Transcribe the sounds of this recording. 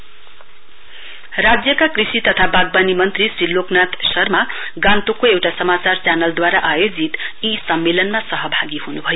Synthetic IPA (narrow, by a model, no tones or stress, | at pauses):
rad͡zjʌkakrisit̪ʌt̪ʰabaɡ̚banimʌnt̪risɾiloknat̪sʌrma | ɡãnt̪okoewʈasʌmat͡sart͡sanʌld̪waɾaʔajod͡zit̪isʌmːelʌnmasʌɦʌbʱaɡihunubʱʌjo